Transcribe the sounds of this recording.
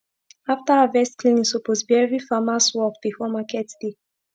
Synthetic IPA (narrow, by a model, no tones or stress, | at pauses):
aftaavɛstkʰlĩnĩsoposbɛvifamaswɔkdefɔmakɛtd̥e